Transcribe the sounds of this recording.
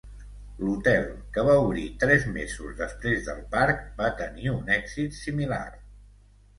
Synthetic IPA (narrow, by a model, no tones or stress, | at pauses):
lut̪ɛlˠkəβ̞auβɾit̪ɾɛzmḛzṵzðəspɾezðə̰lˠpaɾkbat̪əniunɛɡzit̪simila̰r